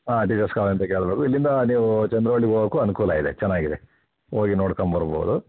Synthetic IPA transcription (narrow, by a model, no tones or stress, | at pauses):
aːʈid͡ʒɐskaːʋɐnt̪ɐke̞ːɭɐbeːkuilːind̪ɐniːʋut͡ʃɐnd̪ɾɐʋɐɭːiɡoɡoːkuːɐnukuːlɐid̪et͡ʃɛnːaːɡid̪e | oːɡinoːɽkɐmbɐɾbo̰ːd̪u